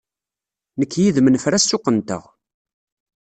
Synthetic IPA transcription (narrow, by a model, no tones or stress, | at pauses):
nəkːjiðmənfɾæsːʊqːənt̪ə̰ʁ